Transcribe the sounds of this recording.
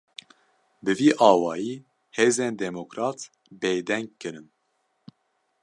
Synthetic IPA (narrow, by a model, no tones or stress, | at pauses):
bɨviːʔɑːwɑːjiː | heːzeːnd̪ɛmokɾɑːt̪ | beːd̪ɛŋɡ̚kɨɾɨn